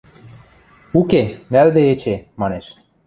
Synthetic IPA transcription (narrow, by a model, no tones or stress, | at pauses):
ukemæld̪eet͡ɕemɑneʃ